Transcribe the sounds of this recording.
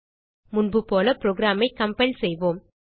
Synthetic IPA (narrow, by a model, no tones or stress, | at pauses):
mʊnbɯpoːlɐpɪɾoːɡɪɾaːmɐɪkːɐmpɐɪlsɛjʋoːm